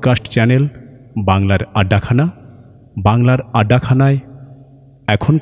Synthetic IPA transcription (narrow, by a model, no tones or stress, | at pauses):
kasʈt͡ɕɛnel | baŋlaɾaɖːakʰana | baŋlaɾaɖakʰanae | ɛkʰon